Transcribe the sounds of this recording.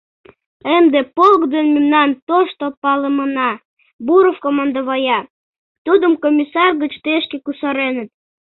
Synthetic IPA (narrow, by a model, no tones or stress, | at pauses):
emd̪epolkd̪enmemnɑnt̪oʃt̪opɑləmənɑ | buɾofkomɑnd̪oβɑjɑ | t̪ud̪əmkomʲisɑrɣət͡ɕt̪eʃkekusəɾenət̪̚